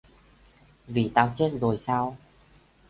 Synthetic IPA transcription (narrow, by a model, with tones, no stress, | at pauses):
vi˨˩t̪aː˧wt͡ɕe˧˥nzo˨˩jsaː˧w